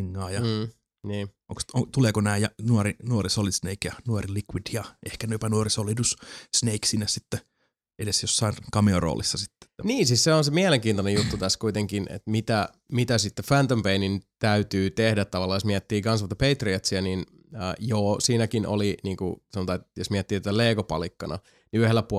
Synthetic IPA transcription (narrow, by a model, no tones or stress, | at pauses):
iŋːɑːjɑː | niː | o̰ŋksot̪uleːkonæːjjɑnuorinuorisolːisneikjɑnuorilikwidjɑehkænuopɑnuorisolːˑit̪ussneiksinːessit̪ːe | edesjosːɑinkɑmeoro̰ːlisːɑsit̪ːe̥t̪ːæniːnsiːsseonsemiæleŋkiːnt̪onejut̪ːut̪æskuit̪eŋkinḛt̪mit̪æ | mit̪æsit̪ːefænt̪ompeinint̪æyt̪yːt̪ehdæt̪t̪ɑʋɑlːɑːjosmiæt̪ːiːkɑnsʋɑt̪ɑpeit̪riɑt̪siænin | ə̰ːjoːsiːnækino̰liniːŋkṵsemot̪ɑet̪josmiæt̪ːiːt̪æt̪æleːkopɑ̰likːɑnɑ̰ | niyhelːæpu